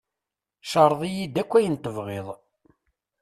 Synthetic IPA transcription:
ʃɑɾˤðˤijid̪ækʷːæjənt̪əvʁeðˤ

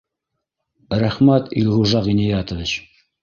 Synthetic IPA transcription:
ɾæχmæt̪ḭlʲʁuʒɑʁinʲijɑt̪ə̆vʲɘt͡ɕ

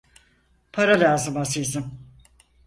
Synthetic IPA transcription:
pʰaɾalʲaːzɯmasɯjzɯm

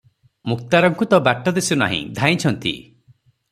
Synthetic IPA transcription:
muk̚t̪aɾɔŋkut̪ɔbaʈːɔd̪esuna̰ɦḭ̃d̪ʱaĩt͡ʃʰɔnt̪ḭ

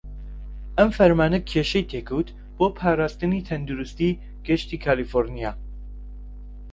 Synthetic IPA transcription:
ɐmfɐɾmaːnɐkʰeːʃɛjt̪ʰeːkʰɨwt̪ | b̥oːpʰaːɾaːst̪ɨniːt̪ʰɐnd̪uɾust̪iː | ɡ̥ɛʃt̪iːkʰaːlifoɾnijaː

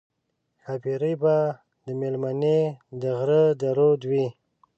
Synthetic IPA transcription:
xapiɾəjba | d̪əmelmaned̪əɣɾəd̪əɾod̪wi

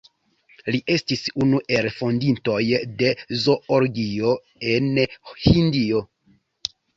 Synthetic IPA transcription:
liʔe̞stisunuʔe̞lfo̞ndinto̞jde̞zo̞oɾɡio̞ | e̞nhindio

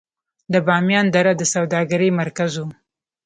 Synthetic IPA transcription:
d̪əbɑmjɑnd̪aɾad̪əsawd̪ɑɡaɾəjmaɾkazo

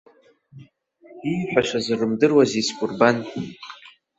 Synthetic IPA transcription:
iħʷᶣaʂazɨrɨmdɨrwaziskʷʼurban

